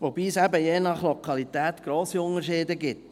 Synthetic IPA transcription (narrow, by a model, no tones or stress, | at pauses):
ʋobiːsæbəjeːnɑχlɔkʰɑlit̪æːt̪ɡ̥ɾoːsiʊnəʃɪːd̪əɡɪt